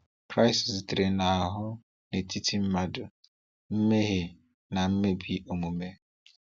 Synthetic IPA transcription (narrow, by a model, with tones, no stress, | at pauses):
kɾa˦ɪ˨sɪ˨stɾe˨na˨a˨ɦʊ˦ | ne˨ti˦tʰi˦m̩˦ma˦dʊ˨ | m̩˦me˦ɦe˨ | na˨m̩˦me˦bi˦o˨mu˨me˦